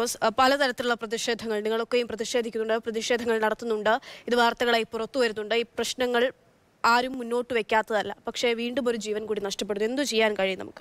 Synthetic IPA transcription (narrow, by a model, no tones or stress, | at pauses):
oːspɐlɐt̪ɐɾɐt̪ːiluɭːɐprɐðiʂe̞ːd̪ʱɐŋːɐɭniŋːɐɭo̞kːe̞jumprɐðiʂe̞ːd̪ʱikʲːunːuɳɖɨprɐðiʂe̞ːd̪ʱɐŋːɐɭnɐɽɐt̪ːunːuɳɖɨiðɨʋaːrt̪ɐɣɐɭaːjpurɐt̪ːuʋɐɾunːuɳɖɨiːprɐɕnɐŋːɐɭ | aːɾumːunːo̞ːʈːɨʋe̞kʲːaːt̪ːɐðɐlːɐpɐkʂe̞ʋiːɳɖumo̞ɾud͡ʑiːʋɐnkuːɽinɐʂʈɐp̬ːeɽue̞nd̪ut͡ɕe̞jːaːnkɐɻijnɐ̰mukːɨ̥